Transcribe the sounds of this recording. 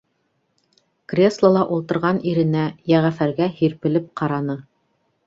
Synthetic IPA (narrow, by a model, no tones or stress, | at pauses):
krʲeslˠəlˠɑʔulˠt̪ɤ̆ɾʁɑniɾɘ̆næjæʁæfæɾɡæhiɾpɘ̆lɘp̚qʰɑɾɑnɤ